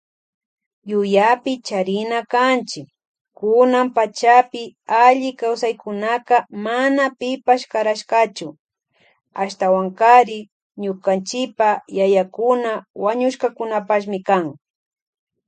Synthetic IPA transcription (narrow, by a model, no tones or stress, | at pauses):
jʊjapɪt͡ʃaɾɪnakant͡ʃɪkː | ʊnampat͡ʃapɪaʎɪkawsajkʊnakamanapɪpaʃkaɾaʃkat͡ʃʊ | aʃt̪awaŋkaɾɪ | ɲʊkant͡ʃɪpajajakʊnawaɲʊʃkakʊnapaʃ̬mɪkaŋ